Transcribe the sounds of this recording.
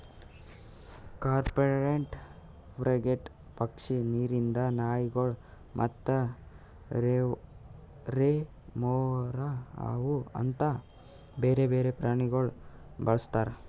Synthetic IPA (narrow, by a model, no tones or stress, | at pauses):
kaːɾpɐɾeɳʈ | pʰɾʔɐɡeʈ | pɐkʂiniːɾind̪ɐnaːjiɡɐɭ | mʔɐ̰t̪ːɐ | ɾe | moːɾɐa̰ːʋuɐ̰nt̪ɐ | beːɾebeːɾepɾaːɳiɡɐɭubɐɭɐst̪aːɾe